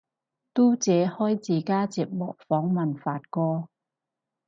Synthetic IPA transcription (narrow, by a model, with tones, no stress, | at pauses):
t̪uː˥t͡sɛː˨˧hɔː˥jt͡siː˨˩kaː˥t͡si˨k̚mɔ̰ː˨˩k̚fɔː˨˥ŋmɐ˨nfaː˧t̚kɔː˧